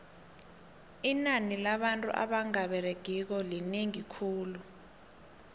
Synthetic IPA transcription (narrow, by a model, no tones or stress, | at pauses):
inanilaɓantʼṵʔa̰ɓaŋaɓɛɾeɡ̥ʱik̬ɔlineŋikʰuːlu